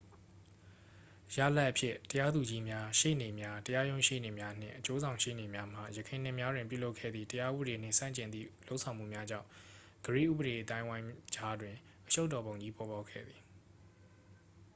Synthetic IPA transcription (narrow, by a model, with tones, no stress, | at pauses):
ja̰˦˨la˦ʔəpʰjɪ˦˨təja˦d̪u˨d͡ʑi˦mja˦ʃḛ˦˨ne˨mja˦təja˦jõ˦ʊ̃ʃḛ˦˨ne˨mja˦n̥ɪ̰̃˦˨ʔət͡ɕo˦zã˨ʊ̃ʃḛ˦˨ne˨mja˦m̥a˨jəkʰẽ˨n̥ɪ̃˦˨mja˦dwɪ̃˨pju˦˨lo˦ʊkʰɛ̰˦˨d̪ðḭ˦˨təja˦ʔṵ˦bəɾe˨n̥ɪ̰̃˦˨sã̰˦˨ɲt͡ɕɪ̃˨nd̪ḭ˦˨lo˦ʊʔsʰã˨m̥ṵ˦˨mja˦d͡ʑã̰˦˨ʊ̃ | ɡ̥əɹḛ˦˨ʔṵ˦bəɾe˨ʔət̪ã˦ɪ̃wã˦ɪ̃d͡ʑa˦dwɪ̃˨ | ʔəʃo˦ʊtːɔ˨bõ˨ʊ̃ɲd͡ʑi˦pɔ˨ba˦ʊkʰɛ̰˦˨d̪ði̥˨